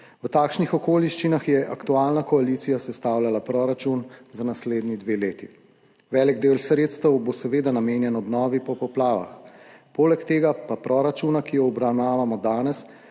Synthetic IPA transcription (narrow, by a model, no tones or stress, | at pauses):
wət̪aːkʃnixɔkoːliʃt͡ʃinaxjɛʔakt̪uaːlnakɔaliːt̪sijasɛst̪aːwljalapɾɔːɾat͡ʃunzanasleːd̪nid̪ʋeːleːt̪i | ʋɛːlɛɡd̪eːwlsɾeːt̪st̪əwbosɛʋeːd̪anameːnjɛnɔbnɔːʋipɔpɔplaːʋa̰xpoːlɛkt̪eːɡapapɾɔɾat͡ʃunakijɔɔbɾawnaːʋamɔd̪aːnɛs